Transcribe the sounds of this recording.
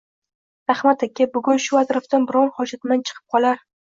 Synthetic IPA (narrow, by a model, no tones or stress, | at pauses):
ɾahmat̪akʲːabʊɡʊnʃʊazɾɒft̪anbɪɾɒnhɒd͡ʒat̪mant͡ʃʰɨ̥qʰɨ̥p̚qʰɒlˠaɾ